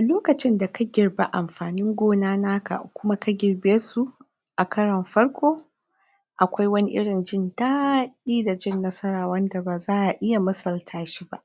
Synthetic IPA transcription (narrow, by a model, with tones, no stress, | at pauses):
ʔa˨loː˦kɐ˨t͡ʃɪ˦nda˨kʰa˦ɡʲɪ˨rba˦ʔa˨mɸaː˨nɪ˦ŋɡʷoː˦naː˦naː˦ka̰˨kʷʊ˦ma˦ka˦ɡʲɪ˨rbeː˦su˦ | ʔa˨kʰɐ˦ɽɐ˨mɸɐ˦ɽkʷoː˦ | ʔa˨kʷa˦jwɐ˦ni˦ʔɪ̰˦ɽɪ˨nd͡ʒɪ˦ntaː˦ɗiː˦da˨d͡ʒɪ˦˨nːɐ˦sɐ˦ɾaː˨wɐ˦nda˨baː˨zaː˦ʔa˨ʔɪ˦ja˨mɐ˦sɐ˨ltʰaː˦ʃi˦ba̰˦ʔ